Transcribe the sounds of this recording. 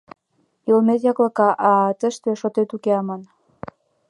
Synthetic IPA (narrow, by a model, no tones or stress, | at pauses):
jolmet̪jɑklɤ̆kɑʔɑt̪ə̆ʃt̪eʃot̪et̪ukeɑmɑn